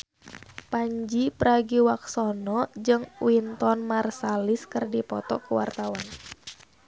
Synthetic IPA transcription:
paɲd͡ʒipəɾaɡiwaksɔnɔd͡ʒɨŋwint̪ɔnmarsaliskɨrdipɔt̪ɔkuwa̰rt̪awan

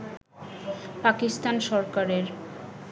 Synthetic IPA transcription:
pakist̪anʃɔɾkaɾeɾ

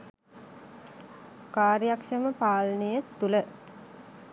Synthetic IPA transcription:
kaːɾjakʂəməpaːlnejət̪ːulə

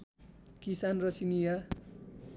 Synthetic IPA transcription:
kisanrʌsinija

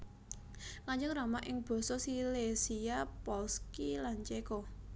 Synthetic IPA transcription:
ŋaɲd͡ʒʊŋramaʔɪŋb̥ɔ̤sɔsilesiapɔlskilant͡ʃekɔ

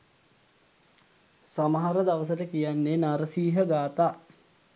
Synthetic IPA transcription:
saməɦaɾəd̪aʋəs̬əʈəkijanːenaɾəsiːɦəɡaːt̪aː

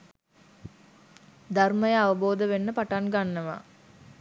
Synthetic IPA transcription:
d̪arməjəaʋəboːd̪əʋenːəpaʈaŋɡanːəʋa̰

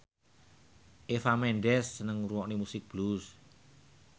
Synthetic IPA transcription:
ʔefamɛɳɖɛsːənəŋruwɔʔnimusɪk̚b̥lus

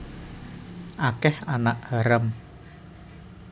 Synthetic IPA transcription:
ʔakɛhanaʔhaɾəm

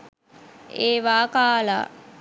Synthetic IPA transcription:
eːʋaːkaːla̰

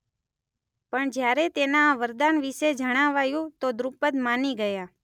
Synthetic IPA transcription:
pəɳd͡ʒjaɾet̪enaːʋəɾd̪anʋiʃed͡ʒəɽ̃aʋajũt̪od̪ɾupəd̪maniɡəja

